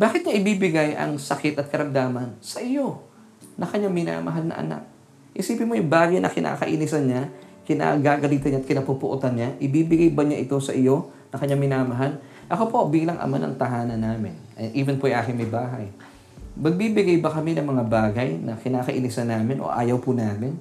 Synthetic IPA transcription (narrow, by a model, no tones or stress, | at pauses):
baːkɪt̪ɲaʔɪbiːbɪɡajʔɐ̰ŋsɐkɪt̪ɐt̪̚kɐɾɐmd̪aːmɐnsɐʔɪjo̞ | nɐkɐɲaŋmɪna̰ːmɐ̰ɦalnɐ̰ʔɐ̰na̰k̚ | ʔɪ̰siːpɪnmojʊŋbaːɡɐjnʔɐ̰kɪnʔa̰ːkɐʔiːnɪsɐnɲakɪna̰ɡaːɡɐliːt̪ɐnɲaːt̪kɪnɐpupʊʔot̪ɐnɲaʔɪbiːbɪɡajbɐɲaʔɪt̪o̞sɐʔɪjo̞ | nɐkɐɲaŋmɪnaːmɐɦal | ʔɐkopo̞biːlɐŋʔɐ̰manɐ̰ŋt̪ɐɦaːnɐnaːmɪ̰nɐʔiːvɛnpoʔajʔaːkɪŋmɐjbaːɦɐj | mɐɡ̚bibɪɡajbɐkɐminɐŋmɐŋabaːɡɐjnɐkɪnaːkɐʔinɪsɐnːaːmɪnʔo̰ʔaːjɐwpʊnaːmɪn